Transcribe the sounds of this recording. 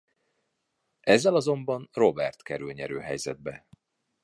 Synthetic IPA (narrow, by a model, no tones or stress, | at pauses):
ʔɛzːɛlɒzo̞mbɒnro̞bɛrt̪kɛɾylɲɛɾø̰ːɦɛjzɛd̪̚bɛ